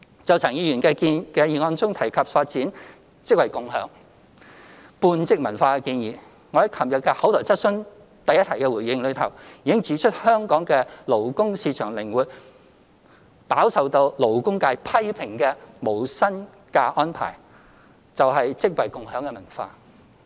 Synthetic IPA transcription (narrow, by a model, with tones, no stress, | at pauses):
t͡sɐ˨wt͡sʰɐ˨˩ŋjiː˨˧jyː˨˩nkɛː˧kiː˧nkɛː˧jiː˨˩ŋɔː˧nt͡sʊ˥ŋt̪ʰɐ˨˩jkʰɐ˨p̚faː˧t̚t͡siː˨˥n | t͡sɪ˥k̚wɐ˨˩jkʊ˨ŋɦœ̰ː˨˥ŋ | puː˧nt͡sɪ˥k̚mɐ˨˩nfaː˧kɛ˧kiː˧njiː˨ | ŋɔ˨˧hɐ˨˥jkʰɐ˨˩mjɐ˨˩kɛ˧hɐ˨˥wt̪ʰɔː˨˩wt͡sɐ˥t̚sɵ˥n | t̪ɐ˨jːɐ˥t̪ʰɐ˨˩jkɛ˧wuː˨˩jɪ˧ŋlɵ˨˧ɥt̪ʰɐ˨˩wjiː˨˧kɪ˥ŋt͡siː˨˥t͡ʃʰɵ˥t̚hœː˥ŋkɔː˨˥ŋkɛː˧lo˨˩wkʊ˥ŋsiː˧t͡ʃʰœː˨˩ŋlɪ˨˩ŋwuː˨t̚ | paː˨˥wsɐ˨˧wt̪o˧wlo˨˩wkʊ˥ŋkaː˧jpʰɐ˥jpʰɪ˨˩ŋkɛː˧mo˨˩wsɐ˥n | kaː˧ʔɔː˥npʰa̰ː˨˩j | t͡sɐ˨wɦɐ˨jt͡sɪ˥k̚wɐ˨jkʊ˨ŋɦœː˨˥ŋkɛː˧mɐ˨˩nfa̰ː˧